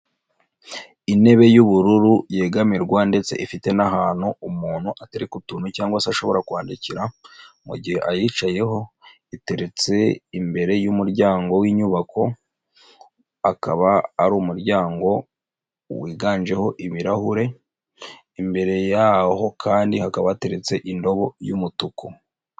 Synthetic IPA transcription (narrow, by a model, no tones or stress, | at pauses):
ine̞βe̞juβuɾuɾuje̞ːɡamiɾɡwande̞t͡se̞̰ʔifite̞naɦaːn̥huumuːn̥huʔateɾikutuːnucaːŋɡwasaʃo̞βo̞ɾakuaːndiciɾamṵɟihe̞ʔajit͡ʃaje̞ɦo̞ | ite̞ɾe̞t͡se̞imbe̞ɾe̞jumuɾɟaːŋɡo̞wiːɲuβakʰo̞ | akaβaːɾumuɾɟaːŋɡo̞ | wiːɡaːnd͡ʒe̞ho̞ʔimiɾahuɾe̞ | imbe̞ɾe̞jaho̞kʰaːndihakaβate̞ɾe̞t͡se̞ʔindo̞βo̞jumutuku